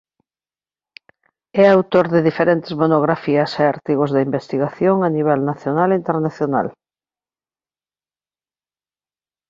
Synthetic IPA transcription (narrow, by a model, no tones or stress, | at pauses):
ɛawt̪oɾðɪðifeɾent̪ɪzmonoɣ̞ɾafiɐseaɾt̪iɣ̞ozðɐimbest̪iɣaθjoŋaniβ̞ɛlnaθjonalint̪eɾnaθjona̰l